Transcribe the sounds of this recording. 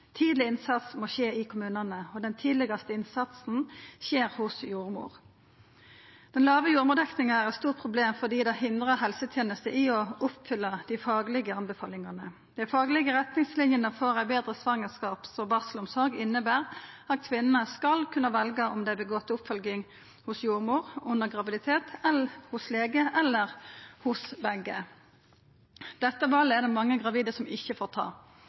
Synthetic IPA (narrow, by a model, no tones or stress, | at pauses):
t̪ʰiːd̪lɪɪnsɑt̪smoːɕeːɪkʰʊmʉːnɑnəɔd̪ɛnt̪ʰiːd̪lɪɡɑst̪əɪnsɑt̪sn̩ɕeːʁhʊsjuːʁmṵːʁ | d̪̥ɛnlɑːʋəjuːɾmʊːd̪ɛknɪŋəæʁɛt̪st̪uːʁtpʰʁʊbleːmfɔd̪iːd̪ɛhɪnd̪ʁəɦɛlsət̪ʰjeːnəst̪əʔɪɔʊpfʏlːəd̪ɪfɑːɡlɪɡəɑnbəfɑːlɪŋɑnə | d̪̥æɪfɑːɡlɪɡəʁɛt̪nɪŋslɪnjənəfɔʁæɪbeːd̪ʁəsʋɑŋːəskɑːpsɔbɑːʁsəlʊmsɔɾɡɪnːəbæːʁɑt̪kʰʋɪnːənəskɑlkʰʉnːəʋɛlɡəʔɔmd̪æɪbəɡɔt̪ːʊpfœlɡɪŋ | hʊsjuːʁmuːʁʊnːəʁɡʁɑʋɪd̪ɪt̪ʰeːt̪ɛlhʊsleːɡəʔɛlːəʁhʊsbɛɡə | d̪̥ɛt̪ːəʋɑːləɛʁd̪ɛmɑŋːəɡʁɑʋiːd̪əsɔmɪçːəfoːʁt̪ʰɑ̰ː